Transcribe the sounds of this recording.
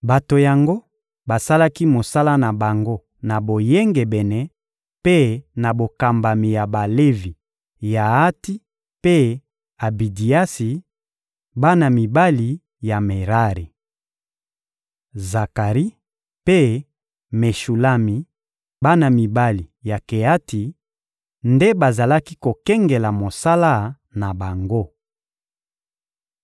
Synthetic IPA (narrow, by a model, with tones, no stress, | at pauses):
ba˨to˨ja˨ŋɡo˦ | ba˨sa˦la˦ki˦mo˨sa˦la˦na˨ba˨ŋɡo˦ | na˨bo˨je˦ŋɡe˨bɛ˨nɛ˨ | pe˦na˨bo˨ka˨mba˨mi˨ja˨ba˨le˦vi˨ | ja˨a˦ti˦ | pe˦ | a˨bi˨di˨a˦si˨ | ba˦na˨mi˨ba˦li˨ | ja˨me˨ʁa˦ʁi˨ | za˨ka˨ʁi˦ | pe˦ | me˨ʃu˨la˦mi˨ | ba˦na˨mi˨ba˦li˨ja˨ke˨a˦ti˨ | nde˦ba˨za˨la˦ki˦ko˨kɛ˦ŋɡe˨la˨mo˨sa˦la˦ | na˨ba˨ŋɡo˦